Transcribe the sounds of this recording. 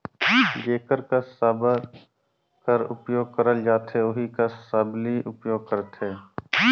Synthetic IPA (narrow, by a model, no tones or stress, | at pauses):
ɡeːkəɾkasəb | kəɾʊpjoːɡ̚kəɾəld͡ʒaːt̪ʰeʊɦikasəbliʔʊpjoːɡ̚kəɾt̪ʰeː